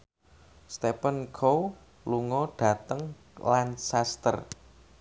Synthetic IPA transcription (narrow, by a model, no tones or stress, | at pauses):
st̪epənkʰow | luŋɔɖ̥ä̤t̪əŋ | lansast̪ə̰r